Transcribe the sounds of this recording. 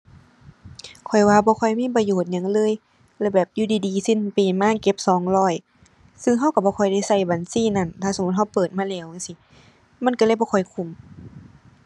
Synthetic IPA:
kʰɔ˨˩jwaː˧bɔː˧˦kʰɔ˧˨˩jmiː˧˥˨pa˧joː˨˩t̪̚ɲa˧˨ŋlɤː˧˥˨j | lɛː˧˩bɛː˨˩p̚juː˧˩diː˧diː˨˦si˧˥˨npiː˨maː˧˥˨ke˧˥p̚sɔː˨˦ŋlɔː˧˩j | sɯ˧ŋɦa˧˥˨wka˧˩bɔː˧kʰɔ˨˩jda˧˩˨jsa˧˩jbaː˨nsiː˧˥˨na˧˩˨nt̪ʰaː˧˩so˨˦mu˧˦t̪̚ha˧˨wpɤː˨˩t̪̚maː˧˥˨lɛː˧˩˨wŋa˧˥˨si˧˦ | ma˧˨nka˧˩lɤ˧˥˨jbɔː˧˦kʰɔ˨˩jkʰu˧˩˨m

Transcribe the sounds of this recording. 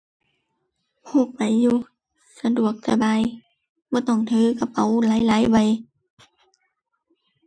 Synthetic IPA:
pʰo˧˩k̚pa˨˩jːuː˧˩ | sa˧du˨˩ək̚sa˧baː˨˧˨j | bɔː˧˦t̪ɔ˧˩ŋt̪ʰɯː˧˦ka˧˩pa˨˩˦wlaː˨˦jlaː˨˦jba˨˦j

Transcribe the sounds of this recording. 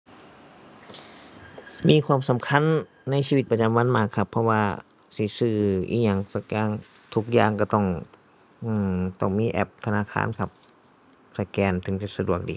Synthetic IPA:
miː˧˥˨kʰwaː˧˥˨msa˨˦mkʰa˧˥˨nː | a˧˥js̬iː˧i˧˦t̪̚pa˧t͡ɕa˧˦mwa˧˥˨nmaː˧˩kʰːa˧˩pʰːɔ˧waː˧ | siː˨˧˩sɯː˧˩ʔḭː˧˩ɲa˧˩ŋsa˧kɛː˧˥ŋ | t̪ʰu˧k̚jaː˧˨˩ŋka˧˩t̪ɔ˧˩ŋ | ʔɯː˧˩t̪ɔ˧˩ŋmiː˧˥˨ʔɛ̰˧˩p̚t̪ʰa˧naː˧˥˨kʰa̰ː˧˥˨nkʰa˧p̚ | sa˧˩kɛː˧nt̪ʰɯ˨˩˦ŋt͡ɕa˧sa˧du˨˩ək̚diː˧˨

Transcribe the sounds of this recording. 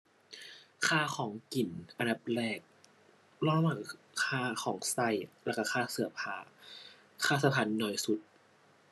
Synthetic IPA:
kʰaː˥˩xʰɔː˩˦ŋki˨˩nʔa˧nda˨˩p̚ɾɛː˧˩k̚ | lɔː˧˩˨la˧ma˨˩ | kʰaː˧˥˩kʰɔː˩˦ŋsa˧˩jlɛː˧˩ka˧˩kʰaː˧˥˩sɯ˨˩˦ɐpʰaː˨˩˦ | kʰaː˥˩sa˧˦˩pʰa˨˩˦nːɔː˨˩jsu˨˩t̪̚

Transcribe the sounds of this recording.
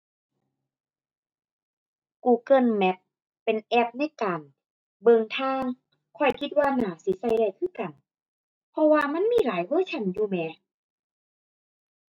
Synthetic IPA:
kuː˧˩kɤ˧˩˨nmɛ˧˦p̚ː | e˨nʔɛ˧˥p̚na˧˥˩jkaː˨n | bɤ˧ŋt̪ʰaː˧˥˩ŋ | kʰɔ˧˩jkʰi˧t̪̚waː˧naː˨˩˦si˧˦sa˧˩jda˧˩jkʰɯː˧˥˨ka˨˩n | pʰɔ˧waː˧ma˧˥˨nmiː˧˥˨laː˨˦jwɤː˧˥˨t͡ɕʰa˧˩˨njuː˧˩mɛː˨˧˦

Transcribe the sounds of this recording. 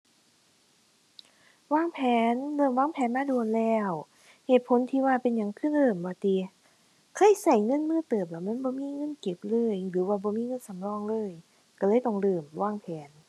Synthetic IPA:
waː˧˥˩ŋpʰɛː˨˦nlɤː˧˩mwaː˧˥˩ŋpʰɛː˨˦nmaː˧˥˨du˧ənlɛː˧˥˩w | heː˨˩t̪̚pʰo˨˦nt̪ʰiː˧waː˧˩pe˧nɲa˨˦ŋkʰɯ˧˥˨nlɤː˧˩mbɔː˨˩˦t̪iː˧ | kʰɤ˧˥˨jsa˨˩jŋɤ˧˥˨nmɯː˧˥˨t̪ɤː˨˩p̚lɛ˧˩wma˧˥˨nbɔː˧˦miː˧˥˨ŋɤ˧˥˨nke˨˩p̚lɤː˧˥˩jlɯː˨˦waː˧˩bɔː˧˦miː˧˥˨ŋɤ˧˥˨nsa˨˦mlɔː˧˥˨ŋlɤː˧˥˨j | ka˧˩lɤː˧˥˨jt̪ɔ˧˩ŋlɤː˧˩mwaː˧˥˩ŋpʰɛː˨˦n

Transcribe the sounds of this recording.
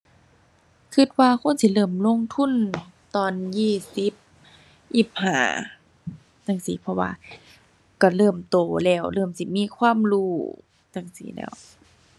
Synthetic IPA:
kʰɯ˧t̪̚waː˧kʰo˧˥˨nsi˧˦lɤː˧˩mlo˧˥˨ŋt̪ʰu˧˥˨nt̪ɔː˧˩njiː˧˩si˧˦p̚ | ʔiː˧˩p̚ha̰ː˧˩ | t̪a˧˩ŋsiː˨˦pʰɔ˧wa̰ː˧ | kɔ˧˩lɤː˧˩mt̪oː˧˨˩lɛː˧˩wlɤː˧˩msi˧miː˧˥˨kʰwaː˧˥˨mluː˧˩ | t̪a˧˩ŋsḭː˨˩˦lɛ̰ː˧˩˨w

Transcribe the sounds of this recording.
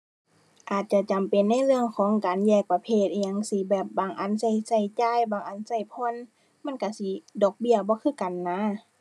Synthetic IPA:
ʔaː˨˩t̪̚t͡ɕa˧˩t͡ɕa˨mpe˨nːa˧˥˨jlɯ˧əŋkʰɔː˨˦ŋkaː˨njɛː˧˩k̚pa˧pʰeː˧˩t̪̚ːɲa˧˨ŋsi˧˦bɛː˨˩p̚baː˨˩ŋʔa˨˥˨nsa˧˩jsa˧˩jt͡ɕaː˧˩˨jbaː˨˩ŋʔa˧˩˨nsa˧˩jpʰɔ˧˥˨n | ma˧˥˨nka˧˩si˧˦dɔː˧˩k̚bi˧˩˨əbɔː˧˦kʰɯː˧˥˨ka˨nːa˧˥˨

